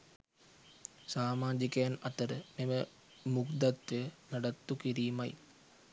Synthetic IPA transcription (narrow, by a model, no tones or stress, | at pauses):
saːmaːd͡ʒikəjanɐt̪əɾəmemə | mukd̪at̪ʋejənaɖat̪ːukiɾiːmaj